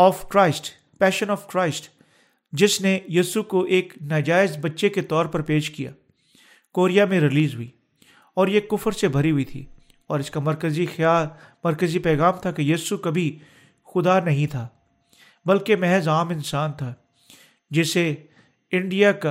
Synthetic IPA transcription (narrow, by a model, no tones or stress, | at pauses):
ɔːfkɾaːɪsʈ | pɛːʃənɔːfkɾaːɪsʈ | d͡ʒɪsnejiːsukoʔeːknaːd͡ʒaːɪzbɐtːʃeket̪ɔːɾpɐɾpeːʃkija̰ː | koːɾijamẽɾɪliːzɦʊiː | ɔːɾjekːʊfəɾsebʱɐɾiɦʊit̪ʰḭː | ɔːɾɪskamɐɾkəzixaːl | mɐɾkəzipɛːɣaːmt̪ʰakejiːsukɐbʱi | xʊd̪anɐɦĩt̪ʰaː | bɐlkemɛɦzaːmɪ̃nsaːnt̪ʰa | d͡ʒɪse | ɪ̃ɳɖijaka